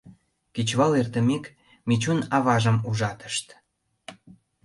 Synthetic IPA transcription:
ket͡ɕβɑlert̪əmek | met͡ɕunɑβɑʒə̆muʒɑt̪ə̥ʃt̪

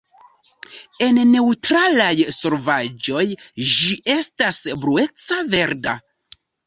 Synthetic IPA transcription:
e̞nne̞utɾalajso̞ɾvad͡ʒo̞jd͡ʒiʔe̞stasbɾue̞t͡save̞ɾda̰

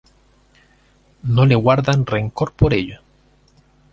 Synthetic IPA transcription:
no̞le̞ɣwaɾðanre̞ŋko̞ɾpo̞ɾeʎo

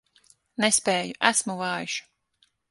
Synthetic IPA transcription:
nespɛːjuʔæsmuvɑːjuʃu̥

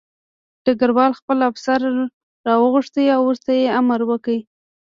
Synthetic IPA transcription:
ɖ̥əɡaɾwɑlxpəlafsaɾ | ɾɑwəɣʊʂt̪əjawːuɾt̪ajeamaɾwəkəi

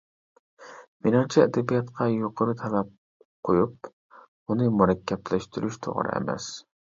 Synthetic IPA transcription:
menɑnt͡ʃʰɛɛd̪ɛbijɑt̪qʰɑjoqʰəɾɨt̪ʰɛlɛp̚ | qʰojup̚ | unɨmuɾɛkʲːɛplæʃt̪yɾyʃt̪ʰo̰ʁ̰ɾɨ̰ḛmɛ̰s

